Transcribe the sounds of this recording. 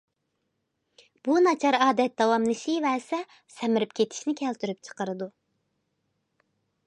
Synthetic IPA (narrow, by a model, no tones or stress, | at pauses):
b̥unɑt͡ʃʰɑɾɑːd̪ɛt̪̚d̪ɑwɑmnɨʃijvɛsɛ | sɛmɪɾypkʲʰet̪ʰi̥ʃnɪkʲʰɛlt̪ʰyɾyp̚t͡ʃʰə̥qəɾɨd̪u